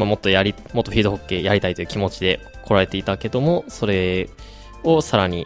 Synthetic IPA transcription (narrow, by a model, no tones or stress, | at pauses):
mamo̞t̪ːojaɾʲi | mo̞t̪ːoɸʲiːd̪o̞ɦokːe̞ːjaɾʲit̪ait̪o̞jɯ̟kʲimo̞t͡ɕid̪e̞ | kʰo̞ɾaɾe̞t̪e̞it̪ake̞d̪o̞mo̞so̞ɾe̞ | o̞saɾaɲ̟i